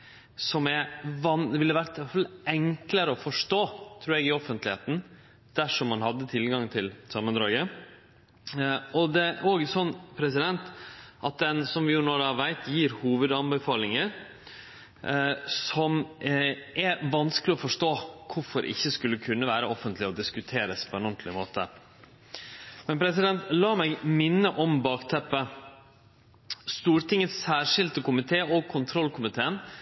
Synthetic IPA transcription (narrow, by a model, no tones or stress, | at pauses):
sɔmɛʋɑnʋɪlːəʋæɾt̪fɑlːʔɛŋkləɾəɔfɔʂʈoːt̪ʰɾʉːɾɛɡɪɔfənt̪lɪheːt̪n̩ | d̪̥æʂɔmːɑnɦɑd̪ːət̪ʰɪlɡɑŋt̪ʰɪlsɑmːənd̪ɾɑːɡə | ɔd̪ɛʔoːɡsɔnːpʰɾɛsɪd̪ɛnt̪ʔɑt̪̚d̪ɛnsɔmʋɪjʊnoːɾɑʋʋæɪt̪ʰjiːɾhuːʋəd̪ɑmbəfɑːlɪŋəɾ | sɔm | ʔɛʋɑnskəlɪɔfɔʂʈoːkʰʊfɔɾʔɪ̰çːəskʉlːəkʰʉnːəʋæːɾəɔfənt̪ʰlɪɔd̪ɪskʉt̪ʰeːɾəspʰɔɛnʊnt̪ʰlɪmoːt̪ə̰ | mɛnpʰɾɛsɪd̪ɛnt̪lɑːmæɪɡmɪnːəʔɔmbɑːkt̪ʰɛpːə | st̪uːɾʈ̪ɪŋːət̪sːæːʂɪld̪əkʊmɪt̪ʰeːɔɡ̚kʰʊnt̪ʰɾɔlkʰʊmɪt̪ʰeːən